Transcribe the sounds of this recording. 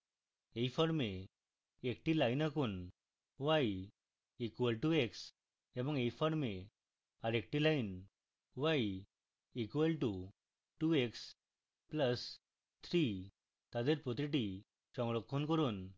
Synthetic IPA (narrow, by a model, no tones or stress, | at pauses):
eifɔɾme | ek̚ʈilajnakuːn | ʋaj | ikʋəlʈueks | ẽbɔŋejfɔɾme | aɾek̚ʈilain | ʋaj | ikʋəlʈu | ʈueks | pləs | t̪ʰɾi | t̪ad̪eɾpɾɔt̪iʈi | ɕɔ̃ŋɡɭɔkʰːɔnkɔɾuːn